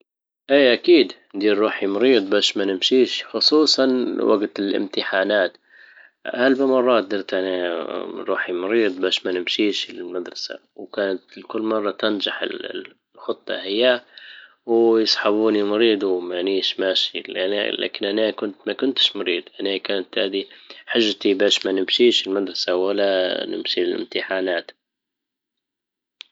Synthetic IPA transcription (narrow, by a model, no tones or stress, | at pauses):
ʔiːʔakiːd̪ | d̪iːɾˤːuːħimʊɾiːd̪ˤbaːʃmanɪmʃiːʃxʊsˤuːsˤɑnwa̰ɡt̪ɪlʔɪ̰mt̪ɪħaːnaːt̪ | ʔalbamɑrˤːɑːt̪̚d̪ɑɾˤt̪ʔanaɾˤuːħimʊɾiːd̪ˤbaːʃmanɪmʃiːʃlɪlmad̪ɾˤɑsa̰ | wkaːnat̪kʊlːmɑrˤːɑt̪and͡ʒaħɪ̰l | xʊt̪ˤːɑ̰hɪjːa | wjɪsˤħaβuːnimʊɾiːd̪uwmaniːʃmaːʃilan̰la̰ːkɪnʔanaːkʊnt̪makʊnt̪ɪ̥ʃmʊɾiːd̪ˤʔanaːkaːnat̪haːd̪iħaʒːt̪ibaːʃmanɪmʃiːʃɪlmad̪ɾˤɑsawɪlːanɪ̰mʃilɪ̰mt̪ɪħaːnaːt̪